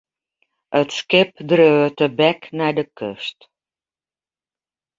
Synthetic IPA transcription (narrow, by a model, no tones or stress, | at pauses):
ətskepd̪ɾøət̪əbæknad̪əkə̰ʃt̪